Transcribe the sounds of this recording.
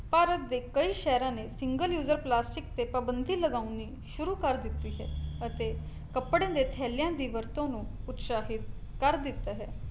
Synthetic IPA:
paːɾət̪̚d̪eːkəiːʃɛːɾãːneːsɪŋɡəljuːzəɾplaːsʈɪkt̪eːpəbənd̪ʱiːləɡaːuniː | ʃʊɾuːkəɾd̪ɪt̪ːiːɦɛ̰ːət̪eː | kəpːɽãːd̪eːt̪ʰɛːljãːd̪iːʋəɾt̪õːnũːʊt̪saːɦɪt̪kəɾd̪ɪt̪ːaːɦɛː

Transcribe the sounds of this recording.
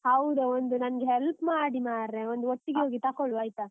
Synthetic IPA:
hɐwd̪uond̪unɐnɡeɦelpmaːɽimaːɾɾeond̪uoʈːiɡeɦoːɡit̪aːkoɭʋaːjt̪a

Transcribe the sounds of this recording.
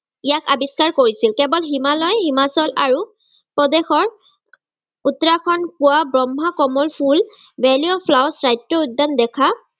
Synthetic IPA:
ijakabiskaɹkoɹisilkɛbɔlɦimalɔjhimasɔlʔaɹu | pɹɔdexɔɹ | utɹakʰɔnpuwabɹɔmʱakɔmɔlpʰul | bɛliopʰlawsɹajtɹɔudːandɛkʰa

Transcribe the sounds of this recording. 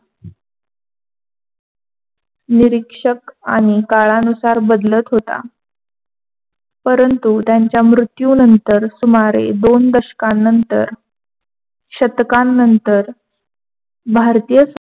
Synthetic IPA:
niɾikʂəka̰ɽ̃ikaɭanusaɾbəd̪lət̪ɦot̪a̰ | pəɾənt̪ut̪jaɲt͡ɕjamɾut̪juːnənt̪əɾsumaɾḛd̪ond̪əɕkãnːənt̪ə̰ɾ | ɕət̪kãnːənt̪əɾ | bʱaɾt̪ijəs

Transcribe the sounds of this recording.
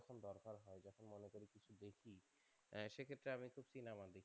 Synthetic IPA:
kʰond̪ɔɾkaɾɦɔed͡ʑɔkʰonmonekoɾikit͡ɕʰud̪ekʰi | ʃekʰet̪ːɾeamikʰubt͡ɕinamad̪e

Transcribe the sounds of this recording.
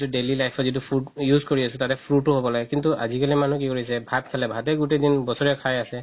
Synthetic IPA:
tuɖelilajpʰɔzit̬upʰujuzkoɹiasɛtatɛpʰɹutʊɦobɔlaɡɛkintuʔa̰zikaliman̤ukikoɹisɛbʱatkʰalɛbʱatɛɡutedinbɔsɔɹɛkʰajasɛ

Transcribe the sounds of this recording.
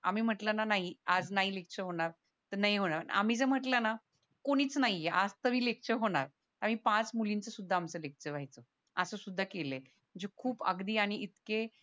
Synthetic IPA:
am̤iːm̤əʈlənanaɦiad͡znaɦilekt͡ɕəɦoɽ̃aɾ | t̪ənaɦiɦoɽ̃aa̰m̤iːd͡zəm̤əʈlana | koɽ̃iːt͡snaijeʔad͡zt̪əʋiːlek̚ʰt͡ɕəɦoɽ̃aɾ | t̪am̤iːpãt͡smulint͡səsud̪ʱːaːmsəlek̚ʰt͡ɕəʋajt͡sə | əsəːsud̪ʱːakele | əd͡ʑekʰuːpə̰ɡd̪iːaɽ̃iʔit̪ke

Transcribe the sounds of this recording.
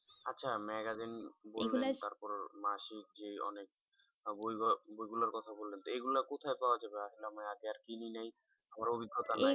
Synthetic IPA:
atːʃʰamɛɡazinboelːelt̪aɾpɔɾmaʃikd͡ʑeɔ̰nek̚ | bojbojɡulaɾkɔt̪ʰabolːent̪oeɡulakot̪ʰaefɔlad͡ʑabeaʃilamajat̪eaɾkininaj | amaɾobiɡʱːot̪ana

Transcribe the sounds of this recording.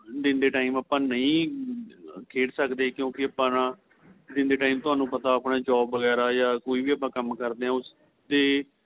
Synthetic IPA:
d̪ɪnd̪eːʈaːiːmaːpãːnəĩː | kʰeːʈsəkd̪eːkjõːkɪəpãːnãː | d̪ɪnd̪eːʈaːiːmt̪ʊaːnũːpət̪aːəpnaːd͡ʒɔːbːəɡɛːɾaːjaːkoːiːbiːəpːãːkəmkəɾd̪eːɛ̃ːʊs | d̪eː

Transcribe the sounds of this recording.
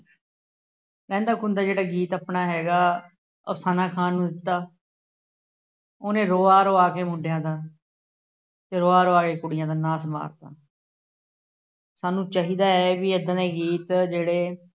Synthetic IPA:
pɛ̃ːnd̪aːkʊnd̪aːd͡ʒeːɽaːɡiːt̪aːpnaːɦɛːɡaː | ə̰saːnaːkʰaːnːũːd̪ɪt̪ːaː | oːnẽːɾoːaːɾoːaːkeːmʊ̃ɳɖʱɪjãːd̪aː | t̪eːɾoːaːɾoːaːkeːkʊɽɪjãːd̪aːnaːsma̰ːɾt̪a̰ː | saːnũːt͡ʃaːɦiːd̪aːɛːʋiəd̪ãːd̪eːɡiːt̪d͡ʒeːɽeː

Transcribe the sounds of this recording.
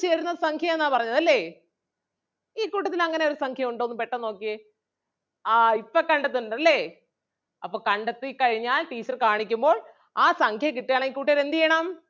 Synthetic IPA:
t͡ɕeːɾunːɐðsɐŋkʰjɐmenːaːpɐrɐɲːɐðɐlːe̞ | iːkuːʈːɐt̪ːilɐŋːɐne̞o̞ɾusɐŋkʰjɐmuɳɖoːnːɨmpe̞ʈːɐno̞ːkːɨ | aːipːɐkɐɳɖɐt̪̬ːuɳɐɐlːe̞ː | ɐpːoːɭkɐɳɖɐt̪ːɨkɐɻiɲːaːlʈiːt͡ɕːɐrkaːɳikʲːumbo̞ːɭ | aːsɐŋkʰjɐkiʈːijaːɳɐiːkuːʈ̬ːɐɐɾend̪ijejːɳɐm

